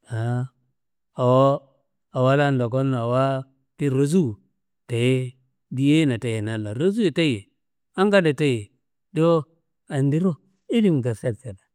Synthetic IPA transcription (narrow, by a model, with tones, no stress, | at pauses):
a˨˦ | a˨wo˦ | a˨wa˦la˦n˨do˨ko˦nːo˨a˨wa˦ | ki˦ɾo˨z̬u˦˨ | ta˨je˦ | di˨˦je˦na˨ta˨je˨na˨lːa˨ɾo˦zu˦je˨ta˦je˨ | a˦ŋɡa˦da˨ta˦je˨ | do˦ | a˨ndi˦ɾo˦ | i˦li˦m˨ta˨se˦ɾse˨da˨